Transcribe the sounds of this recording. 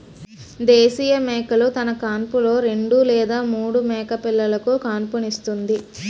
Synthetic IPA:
d̪eːsiːjɐmɛːkɐlut̪ɐnɐkaːnpulo̞ːɾe̞ɳɖulɛːd̪aːmuːɽumɛːkɐpilːɐlɐkukaːnpɐnist̪und̪i

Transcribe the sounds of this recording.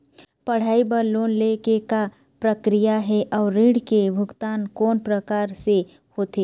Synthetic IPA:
pɐɽ̤aːibəɾloːnlekeka | pɾəkɾijaɦɛʔɔːɾːĩːɽ̤kebʱʊɡt̪aːnkɔːnpɾəkaːɾse | hoːt̪eː

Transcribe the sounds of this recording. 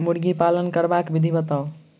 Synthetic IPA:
muɽɡipalənkəɾbakbid̪ʱibət̪aʊ

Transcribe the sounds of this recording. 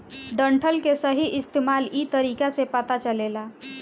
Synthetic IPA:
ɖəɳʈʰəlkesəɦiʔɪst̪emalit̪əɾikasepət̪at͡ʃəlela

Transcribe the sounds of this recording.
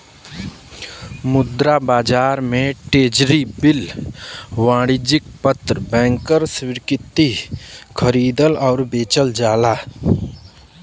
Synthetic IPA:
mʊd̪ɾabaːd͡ʒaːɾmẽʈeːd͡ʒɾibɪl | wãːɽɪd͡ʒɪk̚pət̪ɾəbɛ̃ːŋkəɾswɪɾkɪt̪ːikʰəɾiːd̪əlɔːɾbeːt͡ʃəld͡ʒaːlaː

